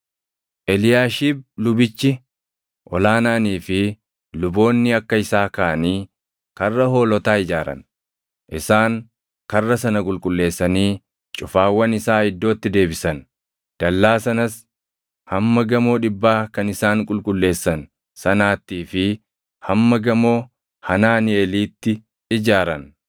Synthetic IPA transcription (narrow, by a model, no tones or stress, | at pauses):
ʔɛlɪjaːʃib̚lʊbɪt͡ʃːɪ | ʔɔlaːnaːniːfɪ | lʊbo̞ːnːɪɐkːɐɪsaːkaːʔɐniː | kɐrːɐɦo̞ːlɔt̪aːɪd͡ʒaːɾɐ̰n | ʔɪsaːŋ | kɐrːɐsɐnɐkʼʊlkʼʊlːe̞ːsːɐniː | t͡ʃʼʊfaːwːɐnɪsaːhɪd̪ːo̞ːt̪ːɪd̪e̞ːbɪsɐn | d̪̥ɐlːaːsɐnɐs | hɐmːɐɡɐmo̞ːᶑɪbːaːkɐnɪsaːŋkʼʊlkʼʊlːe̞ːsːɐn | sɐnaːt̪ːiːfɪ | hɐmːɐɡɐmo̞ː | hɐnaːnɪɛliːt̪ːɪ | ɪd͡ʒaːɾɐn